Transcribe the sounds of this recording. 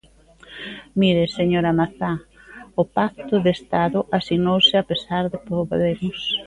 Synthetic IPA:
miɾeseɲoɾamaθa | ʊpak̚t̪ʊðest̪aðʊʔasinowsɪapesaɾðepoβðemʊs

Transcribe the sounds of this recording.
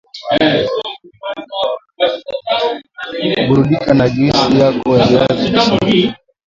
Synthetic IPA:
ɓuɾuɗikanad͡ʒisijakɔjaiazi

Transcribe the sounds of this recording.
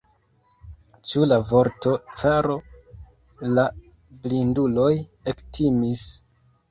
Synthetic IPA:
t͡ʃulavo̞ɾto̞t͡saɾo̞ | la | blindulo̞jektʰimis

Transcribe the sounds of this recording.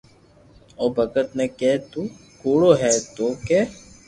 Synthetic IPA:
oːbʱəkət̪neːkɛːt̪uːkoːɽoːɦɛːt̪oːkeː

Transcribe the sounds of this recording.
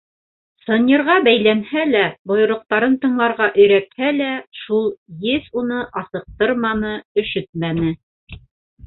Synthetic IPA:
sɤ̆nʲɤ̆ɾʁɑbæjlænhælæbŏjŏɾŏq̚t̪ɑɾɤnt̪ɤ̆ɴlˠɑɾʁɑʔɵ̆jɾæt̪hælæʃulˠjɘsunɤʔɑsɤ̆q̚t̪ɤɾmɑnɤɵ̆ʃɵt̪̚mænɘ

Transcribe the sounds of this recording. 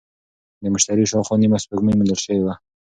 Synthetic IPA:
d̪əmʊʃt̪aɾiʃɑwxɑnimaspəkməmənd̪əɾʃəwewa

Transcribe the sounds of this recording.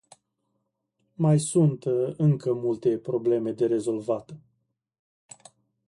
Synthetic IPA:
majsunt̪ɨŋkəmult̪e̞pɾo̞ble̞me̞d̪e̞ɾe̞zo̞lvat̪ə

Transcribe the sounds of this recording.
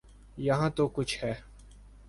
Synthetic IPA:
jɐɦãːt̪oːkʊt͡ʃʰhɛː

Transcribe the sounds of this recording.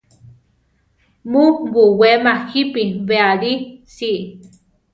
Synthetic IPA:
mubuwemaxipiβeaɾisi

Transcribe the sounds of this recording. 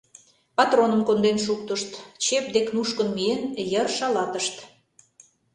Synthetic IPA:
pɑt̪ronəmkond̪enʃuk̚t̪əʃt̪t͡ɕep̚d̪eknuʃkənmienjərʃɑlɑt̪əʃt̪

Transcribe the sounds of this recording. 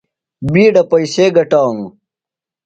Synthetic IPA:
biːɖɐpɐjseːɡɐʈaːnu

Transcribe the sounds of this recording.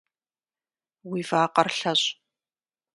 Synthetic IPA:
wiːvaːqɐrɬɐɕʼ

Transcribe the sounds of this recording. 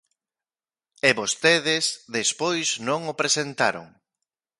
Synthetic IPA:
eβost̪eðezðespojznõŋopɾesent̪aɾo̰ŋ

